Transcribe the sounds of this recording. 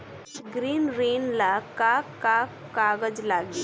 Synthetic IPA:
ɡɾiːnɾiːnlakaka | kaːɡəd͡ʒlaːɡiː

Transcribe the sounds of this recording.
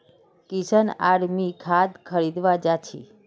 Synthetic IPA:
kisəna̰ɽmikʰad̪kʰəɾid̪ʋad͡ʒat͡ʃʰḭ

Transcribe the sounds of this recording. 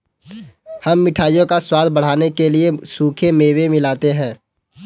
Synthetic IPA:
həmːɪʈʰaːjõkaswaːd̪ʱbəɽ̤aːnekeliesuːkʰemeːwemɪlaːt̪eɦɛ̃ː

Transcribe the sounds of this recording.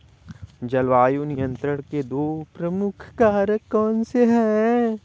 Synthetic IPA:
d͡ʒɐlʋaːjonɪjə̃nt̪ɾəɽ̃ked̪oːpɾɐmʊkʰkaːɾəkːɔːnseɦɛː

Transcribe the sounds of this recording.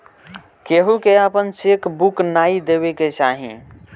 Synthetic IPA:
keɦukeapənt͡ʃekbuknaːid̪eβeket͡ʃaːɦḭ̃

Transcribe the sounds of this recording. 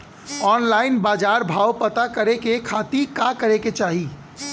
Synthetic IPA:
ɔːnlaːɪnbaːd͡ʒaːɾbʱaːwpət̪akɐɾekekʰaːt̪ikakəɾeket͡ʃaːɦi

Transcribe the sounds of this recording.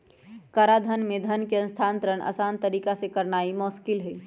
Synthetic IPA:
kəɾad̪ʱənmed̪ʱənkeə̃nst̪ʰant̪ɾənʔə̰sant̪əɾikasekəɾnaimɔskilɦɛ

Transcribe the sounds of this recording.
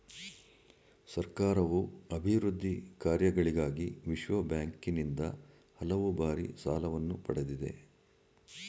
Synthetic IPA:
sɐɾkaːɾɐʋuɐbʱiɾud̪ʱːikaːɾjɐɡɐɭiɡaːɡiʋiʃʋɐbjaːŋkinind̪ɐ̰ | hɐlɐʋubaːɾḭsaːlɐʋɐnːupɐɽed̪id̪e̞̰

